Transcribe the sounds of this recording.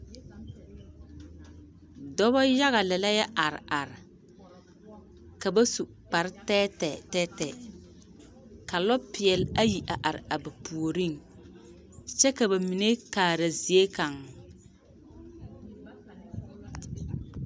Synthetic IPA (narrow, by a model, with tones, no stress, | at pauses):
dɔ˦βa˦ja˦ɣa˨lɛ˨la˦ja˦ʔa˨ɾɪ̰˨ʔa˨ɾɪ˨ | ka˨ba˦su˨ | k͡pa˨ɾɪ˦tɛ˦tɛ˨tɛ˦tɛ˨ | ka˨lɔ˦pɪ˨ɛ˨la˦ji˨ʔa˨ʔa˨ɾɪ̰˨a˨ba˨pu˨o˨ɾi˦˨ŋ | t͡ʃɛ˦ka˨ba˨mi˨ne˦kaː˨ɾa˨zi˨e˦ka˨ŋ